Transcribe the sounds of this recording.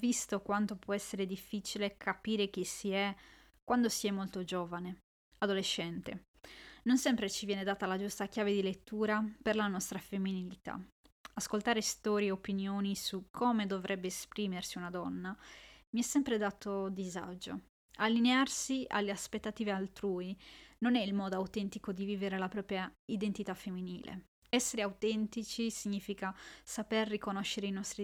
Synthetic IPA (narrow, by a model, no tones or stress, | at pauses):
vist̪okwant̪opwɔɛsːeɾed̪ifːit͡ʃilekʰapiːɾek̟isiɛ | kwand̪osiɛmːolt̪od͡ʒoːvane | ad̪oleʃːɛnt̪e | nonsɛmpɾet͡ʃivjɛːned̪aːt̪alad͡ʒust̪akjaːved̪ilet̪ːuːɾaperlanɔst̪ɾafemːinilit̪a̰ | askolt̪aːɾest̪ɔːɾjeopinjoːnisukʰomed̪ovɾʔɛbːeːspɾiːmersiunad̪ɔnːamiɛsːɛmpɾed̪aːt̪od̪iza̰d͡ʒo̰ | alːinearsia̰lːeaspet̪ːat̪iːvealt̪ɾuːinonɛilmɔːd̪oawt̪ɛnt̪ikod̪iviːveɾelapɾɔːpɾjaid̪ent̪it̪afemːiniːlḛ | ɛsːeɾeawt̪ɛnt̪it͡ʃisiɲːiːfikasaperːikonoʃːeɾeinɔst̪ɾi